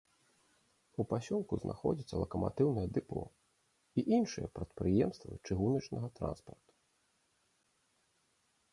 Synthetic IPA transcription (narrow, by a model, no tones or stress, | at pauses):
upasʲɔlˠkuznʔaxɔd͡zʲit̪sːɐlˠɐkɐma̰t̪ɨwnɐjɛd̪ɨpɔ̰ | iʔinʂɨjɛpɾɐt̪pɾɨjɛmst̪vɨ̰t͡ʂɨɦunɐt͡ʂnɐɣɐt̪ɾa̰nspɐrt̪u̥